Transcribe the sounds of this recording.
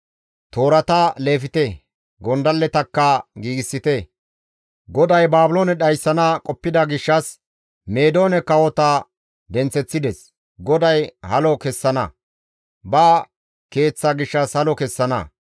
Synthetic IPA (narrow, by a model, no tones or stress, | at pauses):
t̪o̞ːɾɐt̪ɐle̞ːfɪt̪ɛ | ɡɔnd̪ɐlːɛt̪ɐkːɐɡiːɡɪsːɪt̪ɛ | ɡɔd̪ɐjbaːbʊloːnɛɗɐjsːɐnɐkʼɔpːɪd̪ɐɡɪʃːɐs | me̞ːd̪o̞ːnɛkɐwɔt̪ɐ | d̪ɛnt͡sːɛt͡sːɪd̪ɛs | ɡɔd̪ɐjhɐlɔkɛsːɐnɐ̰ | bɐ | ke̞ːt͡sːɐɡɪʃːɐshɐlɔkɛsːɐnɐ̰